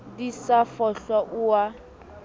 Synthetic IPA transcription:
disafɔɬɔʔuwa

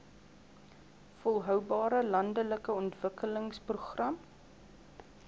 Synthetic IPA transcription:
fɔlˠɦœwbɑːɾəlɐndələkəɔntv̥əkələŋspruχrɐm

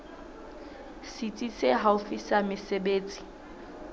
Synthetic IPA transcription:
sit͡sʼiseɦaʊfisamɪsebeːt͡sʼi̥

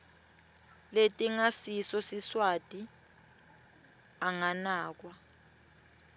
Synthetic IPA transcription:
letʼiŋasisɔsiswatʼi | aŋanaːk̬wa

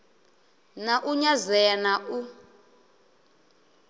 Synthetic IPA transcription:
naʔuɲazɛanaʔu

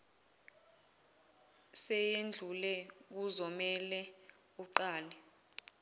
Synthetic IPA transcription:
sɛjend͡ɮʱulɛk̬uzɔmɛlɛ | uǃaːlɛ

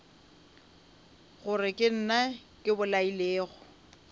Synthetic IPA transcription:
ɣʊrɪkʼɪn̩nakʼɪbʊlaileːɣʊ

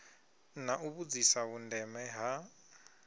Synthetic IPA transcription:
naʔuβud͡zisaβundɛmɛɦa

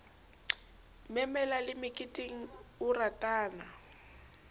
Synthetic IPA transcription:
mɛmɛlalɪmɪkʼitʼiŋ̩ʊratʼaːna

